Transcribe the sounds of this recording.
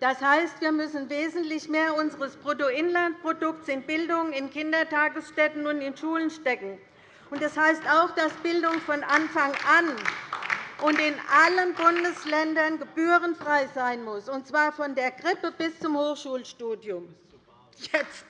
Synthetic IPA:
d̥ashaɪstv̥iːɐmʏsn̩veːzn̩tlɪçmeːɐʊnzəʁəspʁ̥otoɪnlant̚pʁ̥odʊk̚tsɪntb̥ɪldʊŋənɪnkɪndɐtʰaːɡəsʃtɛtn̩ʊntɪnʃuːlənʃtɛkŋ̩ | ʊntdashaɪstaʊxd̥asb̥ɪldʊŋfɔnʔanfaŋʔan | ʔʊntɪnʔalənbʊndəslɛndɐnɡəb̥yːʁənfʁ̥aɪzaɪnmʊsʊntt͡sv̥aːɐfɔndeːɐɡʁɪpəb̥ɪst͡sʊmhoːxʃuːlʃtuːdjʊm | jɛt͡st

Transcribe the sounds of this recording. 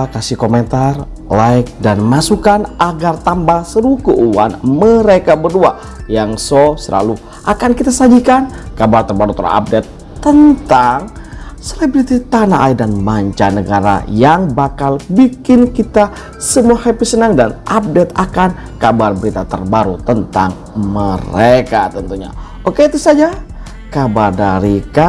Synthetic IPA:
kasihkoment̪ar | lajk̚danmasukanʔaɡart̪ambaŋsəɾukuʔuwa̰nməɾekabərdua̰ | jaŋsosəlʔa̰lu | ʔakankit̪asad͡ʒikankabart̪ərbaɾut̪ə̰ɾa̰a̰p̚dɛt̪ː | ənt̪aŋ | selebɾit̪it̪anaʔaidanmaɲt͡ʃanəɡaɾa̰jaŋbakalbikɪnkit̪a | səmuahepisənaŋdanʔap̚dɛt̪akan | kabarbəɾit̪at̪ə̰rbaɾut̪ənt̪aŋ | məɾekat̪ənt̪uɲa̰ | okeit̪usad͡ʒa | kabardaɾika

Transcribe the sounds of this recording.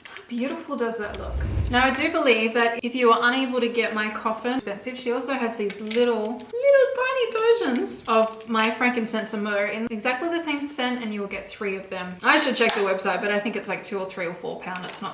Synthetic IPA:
haʊbjʉɾəfl̩ˠdʌzðɨ̰tˡlʊ̰knaʊaɪdɨbəlivðɨɾɨfjɨə˞ʔʌ̃ñeɪbl̩ˠtɨɡɛt̚maɪkʰɔfɨ̃nspɛ̃nsɨv̥ʃiɔlˠsoʊɨzðizlɪɾl̩ˠ | lɪɾl̩ˠdãɪ̃nivɜ˞ʒɨ̃nz̥ʌvmaɪfɹæ̃ŋkɨ̃n̩sɛ̃nsəmə˞ɪ̃nɨɡzæk̚tˡliðɨsẽɪ̃msɛ̃ntɨ̃njɨwəl̩ˠɡɛt̪̚θɹiʌvðɨ̃maɪʃɨd̚t͡ʃʰɛk̚ðɨwɛb̥saɪt̚b̥ʌɾaɪθɪ̃ŋkɨtslaɪk̚tʰʉə˞θɹiə˞fɔ̰ɹpʰãʊ̃ndɨtsnət

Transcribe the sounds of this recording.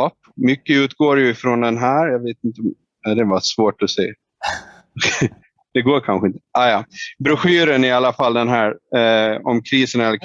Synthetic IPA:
ɑp | mʏkːəʉ̟ːt̪ɡoːɾjɵɪfɾɔnd̪ɛnɦæːɾjɑːveːt̪ɪnt̪əɔm | ad̪ɛvasvoːʈɔsḛː | d̪̥ɛɡoːɾkʰanɧəɪnt̪ə̥ɑːjɑːbɾɵɧyːɾənɪalːafalːd̪ɛnɦæːɾ | ɔmkʰɾiːsənɛlːək

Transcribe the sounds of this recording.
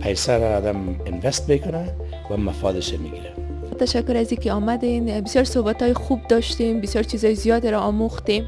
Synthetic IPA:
pʰajsaɾaːd̪amɪnvɛst̪mekʊna | wamafɑd̪ɪʃamiɡiɾa | t̪aʃakːʊɾazikeɔmad̪enbɪsjɔɾsohbat̪ɒjɪxub̚d̪ɒʃt̪embɪsjɔɾt͡ʃizɒjɪzijɒd̪eɾaːmoxt̪em

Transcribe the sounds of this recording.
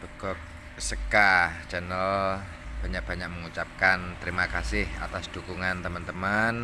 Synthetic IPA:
b̥əɡɔk̚ | səkat͡ʃɛnəl | b̥a̤ɲak̚b̥aɲak̚məŋut͡ʃap̚kant̪əɾimakasɪha̰t̪asd̪̥ṳkuŋant̪əmənt̪əmən

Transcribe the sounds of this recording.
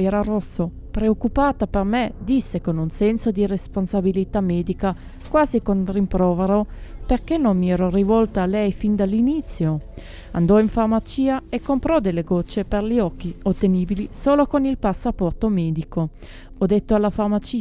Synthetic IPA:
ɛːɾarosːo | pɾeokːupaːt̪apermed̪isːekonunsɛnsod̪iresponsabilit̪amɛːd̪ika | kwaːzikont̪rimpɾɔːveɾoperkenːonmiɛːɾorivɔlt̪aalɛjfind̪alːinit̪sːjo | and̪ɔiɱfarmat͡ʃiːaekːompɾɔd̪elːeɡɔt͡ʃːeperliɔkːiot̪ːeniːbilisoːlokonilpasːapɔrt̪omɛːd̪iko | ɔd̪et̪ːoalːafarmat͡ʃi

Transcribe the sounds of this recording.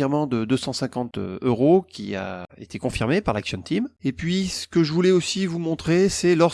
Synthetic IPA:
iʁmɑ̃d̪əd̪øsɑ̃sɛ̃kɑ̃t̪øʁokʲḭa̰ḛt̪ʰekɔ̃fiʁmepaʁlaksjɔ̃nt̪ʰimepɥisə̥kəʒəvulɛosivumɔ̃t̪χesɛlɔ

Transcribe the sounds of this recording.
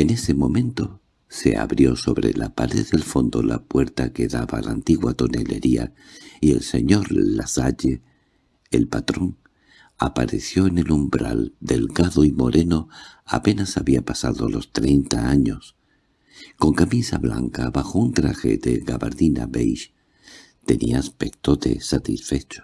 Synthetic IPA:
e̞ne̞se̞mõ̞mẽ̞nt̪o̞ | se̞a̰βɾjo̞so̞βɾe̞lapaɾe̞ðe̞lfo̞nd̪o̞lapwe̞ɾt̪ake̞ðaβalʔant̪iɣwat̪o̞ne̞leɾia̰ie̞lse̞ɲo̞ɾlasaʎeː | lpat̪ɾo̞ŋ | apaɾe̞θjo̞ene̞lumbɾa̰ld̪e̞lɣaðo̞imo̞ɾʔe̞no̞a̰pe̞nasaβiapasaðo̞lo̞st̪ɾejnt̪aaɲo̞s | ko̞ŋkamisaβla̰ŋkaβaxo̞unt̪ɾaxe̞̰ðeɣaβaɾðina̰βejʃ | t̪e̞nḭaːspe̞k̚t̪o̞ðe̞̰sat̪isfe̞t͡ʃo̥

